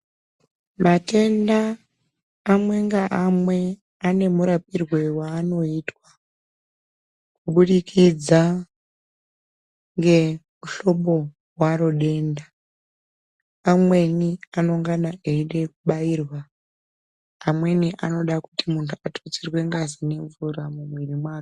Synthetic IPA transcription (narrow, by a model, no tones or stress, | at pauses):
mate̞ndaː | mwe̞ŋɡaʔamwe̞ | ane̞muɾapirwe̞waːno̞iːtwa | kuɓuɗikʰid͡za | ŋɡe̞muɬo̞ɓo̞ | waɾo̞ɗe̞ːnda | mwe̞niano̞ŋɡanaeiɗe̞kuɓaiːrwa | mwe̞niʔano̞ɗakutimuntʰuatʰot͡sirwe̞ŋɡazine̞ɱvuɾamumwirimwaːru